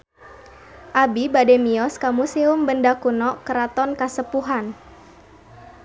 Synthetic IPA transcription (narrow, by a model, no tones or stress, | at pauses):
ʔabibadɛmiɔskamusiʊmbəndakunɔkəɾat̪ɔnkasəpuɦan